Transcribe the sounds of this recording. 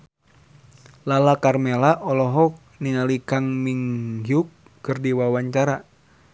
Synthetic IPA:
lalakarmelaʔɔlɔɦɔk̚ | niŋalikaŋmiŋɦukː | ɨrdiwawaɲt͡ʃaɾa

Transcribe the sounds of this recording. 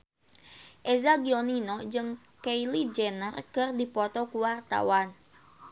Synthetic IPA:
ʔezaɡioninɔd͡ʒɨŋ | keilid͡ʒɛnərkɨrdipɔt̪ɔkuwart̪a̰wan

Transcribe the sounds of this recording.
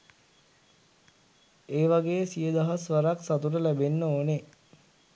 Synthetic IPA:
eːʋaɡeːəsijəd̪aɦasʋaɾaksat̪uɾəlæbenːəoːne

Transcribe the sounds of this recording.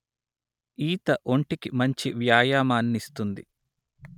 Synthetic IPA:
iːt̪ɐʔo̞ɳʈikimɐɲt͡ʃiʋjaːjaːmaːnːist̪und̪i

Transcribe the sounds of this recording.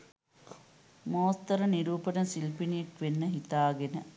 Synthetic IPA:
moːst̪ɐɾəniɾuːpənəsilpinijekʋenːəɦit̪aːɡenə

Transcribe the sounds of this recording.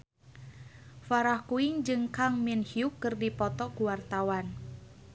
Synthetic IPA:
faɾahkuiŋd͡ʒɨŋkaŋminhiukːɨrdipɔt̪ɔkuwart̪awan

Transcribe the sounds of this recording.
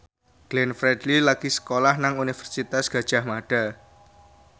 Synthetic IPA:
ɡ̥lɛnfɾɛdlilaɡ̥isə̥kolahnaŋunifərsit̪asɡ̥ä̤d̥ʒ̥a̤hmaɖ̥a̤

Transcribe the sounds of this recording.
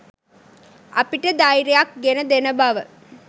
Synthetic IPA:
ʔɐpiʈəd̪ajɾejak̚ɡenəd̪enəbaʋə

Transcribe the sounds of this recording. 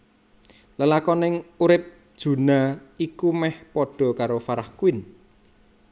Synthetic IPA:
ləlakɔnɪŋuɾɪp̚ | d̥ʒ̥ṳnaikumɛhpɔɖ̥ɔ̤kaɾofaɾahkuɪn

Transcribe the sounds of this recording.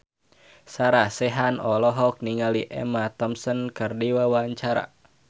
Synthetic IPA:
saɾasɛɦanɔlɔɦɔk̚niŋaliʔɛ̰mat̪ɔmsɔnkɨrdiwawaɲt͡ʃaɾa̰

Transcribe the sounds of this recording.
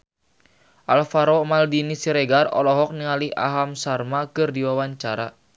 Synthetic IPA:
ʔalfaɾɔmaldinisiɾɛɡarɔ̰lɔɦɔk̚niŋaliʔa̰ɦamsarmakɨrdiwawaɲt͡ʃaɾa

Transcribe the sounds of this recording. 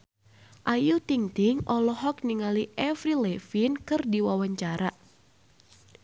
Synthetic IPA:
ʔajut̪iŋt̪ɪŋʔɔlɔɦɔk̚niŋaliʔɛfrilɛfinkɨrdiwawaɲt͡ʃaɾa

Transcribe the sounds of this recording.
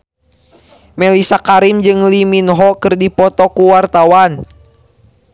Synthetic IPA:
mɛlisakaɾimd͡ʒɨŋliminɦɔkɨrdipɔt̪ɔkuwart̪awan

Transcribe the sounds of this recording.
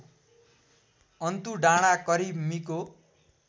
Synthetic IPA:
ʌnt̪uɖaɽ̃akʌɾibmiko

